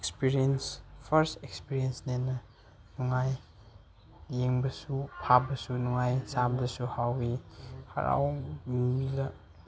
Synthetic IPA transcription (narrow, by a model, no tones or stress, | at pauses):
ekspiɾienspʰɐɾstekspiɾiensnenɐ | nuŋaj | jeŋbɐsupʰabɐsunuŋajsabdɐsuhawihɐ̰ɾa̰wmilɐ